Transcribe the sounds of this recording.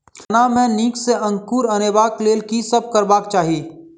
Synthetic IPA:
kʰɐnamɛ̃ːniːkseɐ̃ŋkuːɾɐneːbaːkleːlkisɐb̚ʱkɐɾbaːk̚t͡ʃaːɦiː

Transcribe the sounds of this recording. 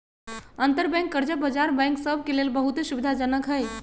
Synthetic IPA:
ənt̪əɾbɛ̃ŋkːəɾd͡ʒəbəd͡ʒaɾbɛ̃jŋksəb̚ʱkelelbəɦut̪subid̪ʱad͡ʒənəkɦəj

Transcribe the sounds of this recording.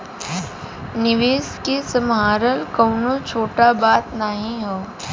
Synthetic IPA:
nɪʋeːskesəmɦaːɾəlkəːnõt͡ʃʰoːʈabaːt̪nəɦĩɦoː

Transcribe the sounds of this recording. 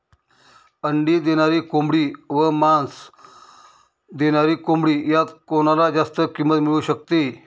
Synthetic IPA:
əɳɖiːd̪eɽ̃aɾiːkombɽiːʋəmans | d̪eɽ̃aɾiːkombɽiːjat̪koñalad͡zast̪əkimət̪miɭuːɕək̚t̪e

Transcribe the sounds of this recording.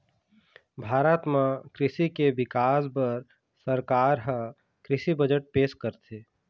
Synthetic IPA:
bʱaːɾət̪mãkɾɪsikeʋɪkaːsbəɾ | səɾkaːɾɦə̃ | kɾɪsibəd͡ʒəʈ̚peːʃkəɾt̪ʰeː

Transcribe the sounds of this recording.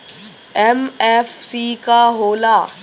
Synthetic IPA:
ɛmɛːfsiːkaɦoːlaː

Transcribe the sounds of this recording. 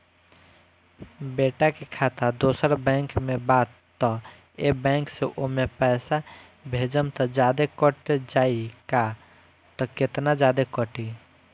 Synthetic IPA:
beʈakekʰat̪ad̪osəɾbɛ̃ŋkmebat̪ːɔ | ebɛ̃ŋkseʔomepɛɪsa | bʱed͡ʒəmt̪ɔd͡ʒad̪ekəʈed͡ʒaika | t̪ɔket̪nad͡ʒad̪ekəʈi

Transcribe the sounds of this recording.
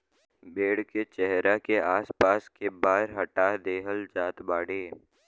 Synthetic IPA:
beːɽket͡ʃɛɦɾakeaːspaːskebaːɾɦɐʈad̪eːɦəld͡ʒaːt̪baːɽeː

